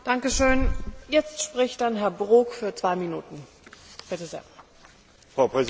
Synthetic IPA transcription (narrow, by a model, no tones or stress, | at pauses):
d̥aŋkəʃøːnjɛt͡stʃpʁ̥ɪçt̚d̥anɦɛɐbʁoːkfyːɐt͡sv̥aɪminuːtn̩ | b̥ɪtəzḛːɐ | fʁ̥aʊpʁ̥ɛz